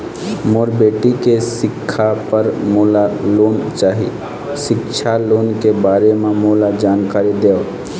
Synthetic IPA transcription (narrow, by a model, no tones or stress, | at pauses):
moːɾbeːʈikesɪkʰːapəɾmolaloːnt͡ʃaːɦḭ | sɪkt͡ʃʰaloːnkebaːɾememoːlad͡ʒaːnkaːɾid̪eːo